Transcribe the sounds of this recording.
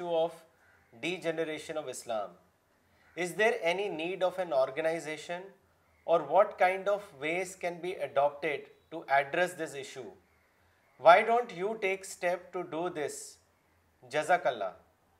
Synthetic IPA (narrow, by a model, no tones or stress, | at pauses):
uɔːʋ | ɖiːd͡ʒɛnəɾeːʃə̃nɔʋɪslã̰ːm | ɪzd̪eːɾɛniniːɖɔːfɛ̃nɔːɾɡənaɪzeːʃə̃n | ʔɔːɾʋɔːʈkãɪ̃ɳɖɔʋʋeːzkɛ̃nbiːʔəɖɔːp̚ʈeɖʈuʔɛɖɾɛsd̪ɪsɪʃju | ʋaɪɖõːɳʈjuːʈeːksʈɛp̚ʈuɖuːd̪ɪs | d͡ʒɐzakəlːa̰ː